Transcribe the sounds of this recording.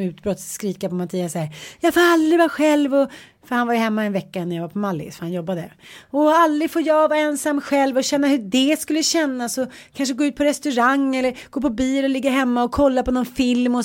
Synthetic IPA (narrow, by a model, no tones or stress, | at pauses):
ʉ̟ːt̪bɾɔt̪sːkɾiːkapɔmat̪ʰiːasæːɾjɑːfoːɾald̪ɾɪvaɧɛlvɔ | fœɾhanvaɾjəhɛmːaɛnvɛkːaɛnːɾjavaɾpʰɔmalːɪ̰sfœɾhanjɔbːad̪ə̰ɔald̪ːɾɪfoːɾjɑvɑːɾaɛnsamːɧɛlvɔɕɛn̪ːahɵɖɛskɵlːəɕɛnːasɔ | kʰanʂəɡoːʉ̟t̪pʰɔɾɛst̪ɵɾaŋːɛlːəɾɡ̥oːpʰɔbiːlɔlɪɡːaɦɛmːaɔkʰɔlːapɔnɔnfɪlmɔ